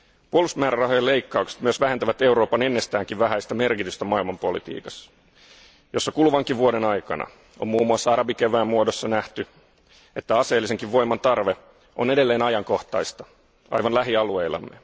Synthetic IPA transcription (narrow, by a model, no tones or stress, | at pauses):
puolust̪mæːɾærɑɦojɑle̞jkːɑukse̥t̪myøsʋæɦe̞nt̪æʋæt̪e̞uɾo̞ːpɑne̞nːe̞st̪æːŋkiʋʋæɦæjst̪æme̞rkit̪yst̪æmɑilmɑmpo̞lḭt̪ḭːkɑs | jo̞sːɑkulʋɑŋkiʋuodenɑjkɑ̰nɑ̰ | o̞̰mmuːmuɑsːɑɑɾɑbik̟eʋæːmmːuodo̞sːɑnæht̪y | e̞t̪ːæɑse̞ːlːise̞ŋkiʋʋo̞jmɑnt̪ɑrʋe̞ | ʔone̞de̞lːe̞ːnɑjɑŋko̞ht̪ɑjst̪ɑ | ɑ̰jʋɑnlæɦiɑlue̞jlːɑ̰mːḛ